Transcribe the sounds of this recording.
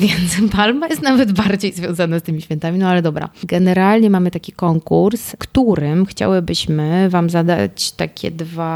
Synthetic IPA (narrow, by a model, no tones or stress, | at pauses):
vʲjɛnt̪spalmajɛst̪navɛd̪baɾd͡ʑejzvʲjɔ̃w̃zanast̪ɘmʲiɕfʲjɛnt̪amʲinɔalɛd̪ɔbɾa̰ɡɛnɛɾalɲɛmamɘt̪akʲikɔŋkuɾskt̪uɾɘmxt͡ɕa̰wɘbɘɕmɘvamzad̪a̰t͡ɕt̪akʲɛ̰d̪va